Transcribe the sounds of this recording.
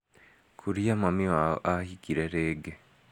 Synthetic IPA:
kʰuɾijamamiaahikiɾeɾeːɡe

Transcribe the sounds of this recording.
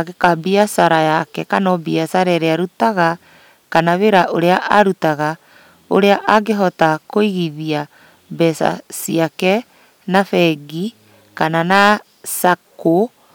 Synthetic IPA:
aɣekabiasaɾajakɛkanɔbiasaɾɛɾeaɾutaɣa | kanaβeɾaʔoɾeaʔaɾutaɣa | o̰ɾeaʔaɡeɦɔtakoiɣiðia | bɛsa̰siakɛ | nafɛɡi | kanana | sako

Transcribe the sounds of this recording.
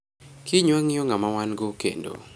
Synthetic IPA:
kʰiɲwaŋjoŋamawanɡokḛndo̰

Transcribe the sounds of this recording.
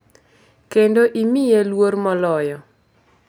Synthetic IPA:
kendoʔimɪjelwoɾmɔlɔjɔ

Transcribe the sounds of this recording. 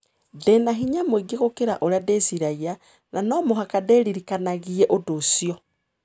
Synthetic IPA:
ðɛnaɦiɲamweɡeɣokeɾa̰ʔoɾeadesiɾaia | nanɔmoɦakadeɾiɾikanaɣiɛʔodosijɔ

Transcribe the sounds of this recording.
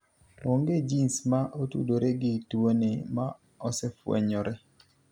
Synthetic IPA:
oŋɡed͡ʒinsmaʔotṵdoɾeɡɪtuonema̰ | ɔsɛfwḛɲɔɾɛ

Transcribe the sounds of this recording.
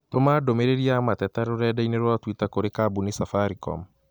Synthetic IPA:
tomaːdomeɾeɾiamatɛtaɾoɾɛdaineɾwatwitakoɾekabunisafaɾikɔ̰m

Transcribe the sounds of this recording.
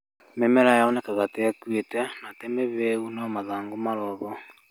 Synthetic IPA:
mɛmɛɾajaɔnɛkaɣatɛkwetɛnatɛmeβeunɔmaðaːŋɡomaɾɔβɔ

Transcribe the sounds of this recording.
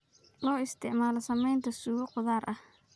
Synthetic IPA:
lɔːɪst̪ʰɪʕmaːlɐsɐmɛjnt̪ʰɐsuːɣɔqʊðaːrʔɐh

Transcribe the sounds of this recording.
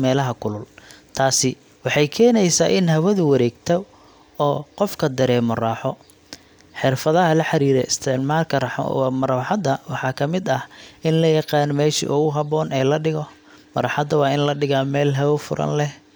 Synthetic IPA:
mɛːlɐɦɐkʰʊlʊlt̪ʰaːsɪ | wɑħɑjkʰɛːnɛjsaːʔɪnɦɐβɐðʊwɐɾɛːɡt̪ʰɐ | ɔːqɔfkʰɐd̪ɐɾɛːmɔrɑːħɔ | ħɪrfɐðɐɦɐlɐħɑɾiːɾɛ̰ɪst̪ʰɪʕmaːlkʰɐrɑħwmɐɾɐwħɑd̪ɐwɑħɑːkʰɐmɪd̪ɐhɪnlɐjɑqɑːnmɛːʃḭʔʊɣʊɦɐβɔːnʔɛːlɐɖɪɣɔ | mɐɾɐħɑd̪ɐwɑːɪnlɐɖɪɣamɛːlɦɐβɔfʊɾʔɐ̰nlɛh

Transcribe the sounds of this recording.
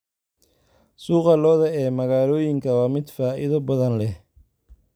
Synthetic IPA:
suːqɑlɔːðɐɛːmɐɣaːlɔːjɪŋkʰɐwɑːmɪd̪faːʔɪðɐbɐðɐnlɛh

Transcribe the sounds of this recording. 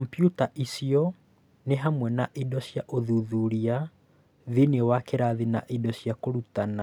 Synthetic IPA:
mpjutaʔisiɔ | neɦamwɛnaʔidɔsjaʔoðuðuɾia | ðiniɛwakeɾaðinaʔidɔsjakoɾutana

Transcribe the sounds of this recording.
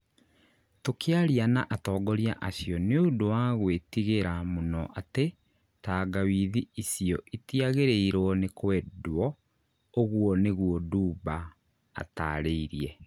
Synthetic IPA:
tokʰeaɾianaʔatɔːɡɔɾja̰ʔasjɔneondowaɣwetiɣeɾamonɔʔate | taːɡawiðiisiɔʔitiaɣeɾeiɾwɔnekwɛdwɔ | oɣwɔneɣuɔduːba | a̰ta̰ɾeiɾiɛ

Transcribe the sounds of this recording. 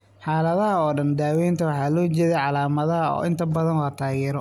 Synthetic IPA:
ħɑːlɐðɐɦɐɔːɖɐnd̪aːwɛːnt̪ʰɐwɑħɑːlɔːt͡ʃɛðɛjʕɑlaːmɐðɐɦɐɔ̰ːʔɪnt̪ʰɐbɐðɐnlɐt̪ʰaːɣɛːɾɔ

